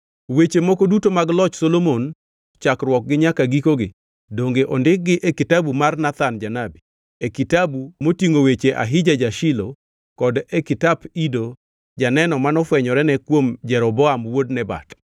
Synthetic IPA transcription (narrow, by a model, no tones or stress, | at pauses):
wet͡ʃemɔkɔdutomaɡlɔt͡ʃsolomon | t͡ʃakrwɔk̚ɡɪɲakaɡikoɡɪ | doŋɡeʔondɪk̚ɡɪʔɛkɪtabumarnat̪and͡ʒanabi | ekitabumotiŋowet͡ʃeʔa̰ɦɪd͡ʒad͡ʒaʃɪlo | kɔdɛkɪtapido | d͡ʒanɛnɔmanɔfwɛɲɔɾɛnɛkwomd͡ʒɛɾɔbɔamwodnɛba̰t